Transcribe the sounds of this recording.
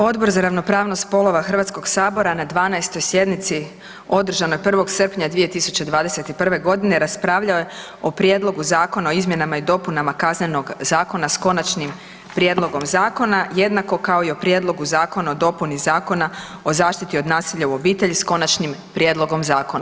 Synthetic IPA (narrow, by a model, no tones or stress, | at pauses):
o̞d̪bo̞ɾzaɾaʋno̞pɾaːʋno̞st̪po̞lˠo̞ʋaxr̩ʋat̪sko̞ɡsaːbo̞ɾanad̪ʋaːnaest̪o̞jsje̞d̪nit̪si | o̞d̪r̩ʒano̞jpr̩ʋo̞ɡsr̩pɲad̪ʋije̞t̪isut͡ɕed̪ʋaːd̪ese̞t̪ipr̩ʋe̞ɡo̞d̪ine̞ɾaspɾaːʋʎaoje | o̞pɾje̞d̪lˠo̞ɡuzaːko̞nao̞izmje̞namaid̪o̞punamakazneno̞ɡzaːko̞nasko̞nat͡ʃnim | pɾje̞d̪lˠo̞ɡo̞mzaːko̞naje̞d̪nako̞kao̞io̞pɾje̞d̪lˠo̞ɡuzaːko̞naod̪o̞punizaːko̞na | o̞zaːʃt̪it̪io̞d̪naːsiʎauo̞biːt̪e̞ʎisko̞nat͡ʃnimpɾjed̪lˠo̞ɡo̞mzaːko̞na